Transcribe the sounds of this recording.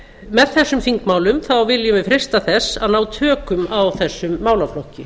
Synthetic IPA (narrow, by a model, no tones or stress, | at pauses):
mɛðθɛsːʏmfiŋkmaːwlʏmθawvɪljʏvɪðfɾe̥st̪aθɛsːaðnaːwt̪ʰœːkʏmawθɛsːʏmːaːwlaflɔhcːɪ